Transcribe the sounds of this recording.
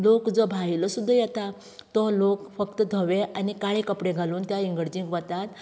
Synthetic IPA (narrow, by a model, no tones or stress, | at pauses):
lokd͡zɔbʱailɔsud̪ʱːəjɛt̪a | t̪ɔlokfəkt̪əd̪ʱɔʋeʔanikaɭekəpɽeɡʱaluːnt̪jaiŋɡəɽd͡ʑĩŋɡʋət̪at̪